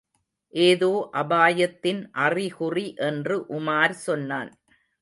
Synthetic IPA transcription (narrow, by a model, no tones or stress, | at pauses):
ʔeːðoːʔɐbaːjɐt̪ːɪnʔɐriɣʊriʔɛndrɯʔʊmaːɾsɔnːaːn